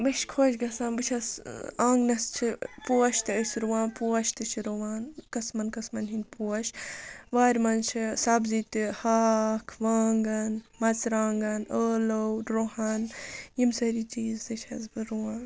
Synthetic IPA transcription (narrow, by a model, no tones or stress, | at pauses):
bɐʃkʰoːt͡ʃɡɐsãːnbɨt͡ʃʰɐsãːŋɡnɐst͡ʃʰipuːɐʃt̪ɨəsʲɾuwãːnpuɐʃt̪ɨt͡ʃʰiɾuʋaːnkɐsmɐnkɐsmɐnɦinʲpuɐʃʋaːɾʲmɐnt͡ʃʰisɐbzit̪ihaːkʰʋaːŋɡɐnmɐt͡sɾãːŋɡɐnəːlɐwɾoɦɐnjimsɐɾiːt͡ʃiːzt̪ɨt͡ʃʰɐzbɨɾuwãːn